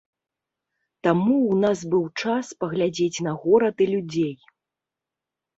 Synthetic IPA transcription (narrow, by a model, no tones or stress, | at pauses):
t̪amuːnazbɨwt͡ʂaspɐɣlʲad͡zʲet͡sʲnɐɣɔɾɐt̪ɨlʲud͡zʲej